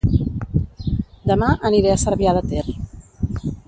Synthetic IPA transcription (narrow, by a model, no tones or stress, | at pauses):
d̪əmaʔəniɾɛəsəɾβjaðət̪er